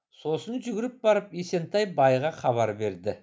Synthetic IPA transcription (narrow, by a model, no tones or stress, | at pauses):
so̞sənʒʏɡʲɪɾɪp̚bɑɾəpjese̞nt̪ɑjbɑjʁɑχɑβɑɾbe̞ɾd̪ɪ